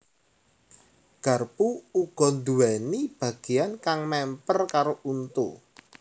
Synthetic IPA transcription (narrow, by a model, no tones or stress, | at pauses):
ɡ̥a̤rpuːɡ̥ɔ̤nd̪uwɛnib̥ä̤ɡ̥ejankaŋmɛmpərkaɾoʔunt̪u